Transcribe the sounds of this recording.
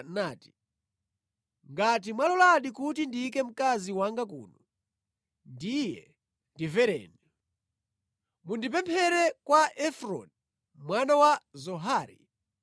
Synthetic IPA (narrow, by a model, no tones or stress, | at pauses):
naːti̥ | ŋɡatimwalɔlaɗikutindiːkɛm̩kaziwaŋɡakṵːnɔ | ndijɛ̰ | ndivɛɾɛ̰ːni | mundip̬ɛmpʰɛɾɛkwaʔɛfɾɔ̰n | mwanawazɔɦaːɾḭ